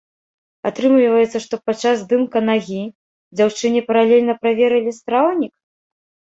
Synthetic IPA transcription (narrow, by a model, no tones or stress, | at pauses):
at̪ɾɨmlʲivɐjɛt̪sɐʂt̪ɔpat͡ʂːazd̪ɨmkɐnaɣʲi | d͡zʲawt͡ʂɨnʲɛpɐɾalʲelʲnɐpɾavʲɛɾɨlʲist̪ɾawnʲik̚